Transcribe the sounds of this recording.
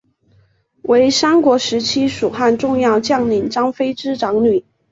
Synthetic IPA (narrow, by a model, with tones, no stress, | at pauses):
we˧˥ɪʂa˥nkwɔ˧˥ʂɻ̩˧˥t͡ɕʰi˥ʂu˨˩xa˥˧nʈ͡ʂʊ˥˧ŋjɑ˥˧ʊt͡ɕjɑ˥˩ŋli˨˩nʈ͡ʂɑ˥ŋfe˥ɪʈ͡ʂɻ̩˥ʈ͡ʂɑ˧˥ŋny˨˩˦